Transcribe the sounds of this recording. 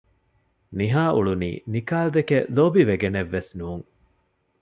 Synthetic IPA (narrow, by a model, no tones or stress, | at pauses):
niɦaːʔuɭunḭːnikaːld̪ekeloːbiʋeɡeneʋːesnuːŋ